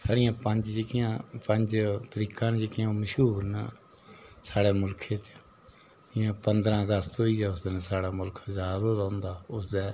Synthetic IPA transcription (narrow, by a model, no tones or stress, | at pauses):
saːɽɪjãːpəɲd͡ʒd͡ʒeːkɪjãːpəɲd͡ʒt̪əɾiːkãːnd͡ʒeːkijãːməʃɦuːɾnaː | saːɽeːmʊlkʰeːt͡ʃ | ɪjãːpənd̪ɾãːəɡəst̪ɦoiːaːʊsd̪eːnːsaːɽaːmʊlkʰzaːd̪oːd̪aʊ̃nd̪aːʊsd̪ɛː